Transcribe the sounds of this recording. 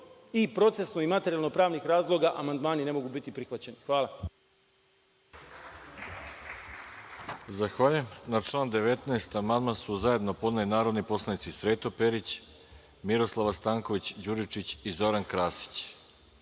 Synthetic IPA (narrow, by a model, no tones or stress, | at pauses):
ipɾo̞t̪se̞snoimat̪eɾialno̞pɾaːʋnixɾaːzlˠo̞ɡaʔamand̪maːnine̞mo̞ɡubit̪ipɾixʋat͡ɕenixʋaːla | zaxʋaʎujemnaʈ͡ʂlˠaːnd̪eʋe̞t̪naːst̪amand̪mansuzaje̞d̪nopo̞d̪nalinaːɾo̞d̪nipo̞slˠanit̪sisɾeːt̪o̞peɾit͡ɕ | miɾo̞slˠaʋast̪aːŋko̞ʋit͡ɕd͡ʑuɾit͡ʃit͡ɕizo̞ɾankɾaːsi̥t͡ɕ